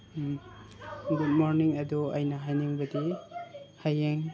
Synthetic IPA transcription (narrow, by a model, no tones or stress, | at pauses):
ɡud̚moɾniŋɐduɐjnɐɦajniŋbɐdi | hajeŋ